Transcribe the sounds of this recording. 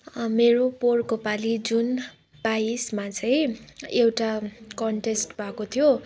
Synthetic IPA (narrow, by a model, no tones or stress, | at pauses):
meɾoporkopalid͡zun | baismat͡sʰʌjewʈakʌɳʈesʈbʱakot̪ʰijo